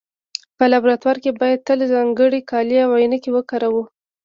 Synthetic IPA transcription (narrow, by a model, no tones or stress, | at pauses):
pəlabɾat̪waɾkebɑjad̪̚t̪əlzɑŋɡəɽikɑliawajnakewəkɑɾawu